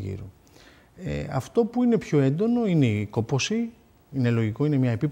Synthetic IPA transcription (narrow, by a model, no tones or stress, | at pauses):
ʝḭɾu | ḛɐ̰ft̪o̞puine̞pço̞e̞nd̪o̞no̞ine̞iko̞po̞si | ine̞lo̞ʝiko̞ine̞mɲɐepip